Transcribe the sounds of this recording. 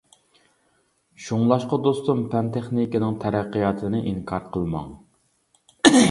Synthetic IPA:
ʃuŋlˠɑʃqɑd̪ost̪umpʰɛnt̪ʰeχnikʲinɪŋt̪ʰɛɾæqːijɑt̪ʰɨnɪʔiŋkʰɑɾqʰəlˠmɑ̰ŋ

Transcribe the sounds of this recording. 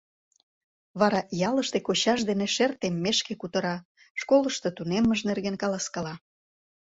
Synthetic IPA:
βɑɾɑjɑləʃt̪ekot͡ɕɑʒd̪eneʃert̪emːeʃkekut̪ə̆ɾɑ | ʃkoləʃt̪ɤt̪unemːəʒnerɣenkɑlɑskɑlɑ

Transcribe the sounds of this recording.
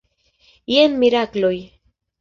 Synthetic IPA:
jenmiɾakloj

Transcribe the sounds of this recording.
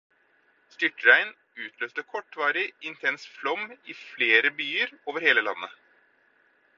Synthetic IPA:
st̪ʏʈɾæɪn | ʉːt̪ʰløːst̪əkʰɔʈːʋɑːɾɪɪnt̪ʰɛnsflɔmɪfleːɾəbyːəɾoːʋəɾheːləlɑ̰nːə

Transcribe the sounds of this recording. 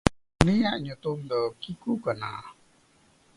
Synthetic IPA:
nijaʔɲut̪umd̪ɔkikukəna̰

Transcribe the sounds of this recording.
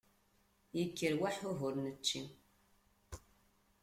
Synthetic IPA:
jəkːəɾwaħʊɦʊɾnət͡ʃːim

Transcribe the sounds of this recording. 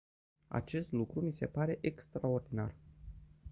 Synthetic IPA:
a̰t͡ʃe̞st̪lukɾumise̞paɾe̞ʔekst̪ɾao̞rd̪ina̰r

